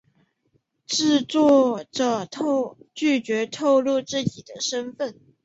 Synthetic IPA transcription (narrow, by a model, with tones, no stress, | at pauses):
ʈ͡ʂɻ̩˥˧t͡swɔ˥˩ʈ͡ʂə˥˩t̪ʰo˥˧t͡ɕy˥˩t͡ɕɥɛ˧˥t̪ʰo˥˧ʊlu˥˧ʈ͡ʂɻ̩˥˩t͡ɕi˨˩d̪ə˦ʂə˥nfə˥˩n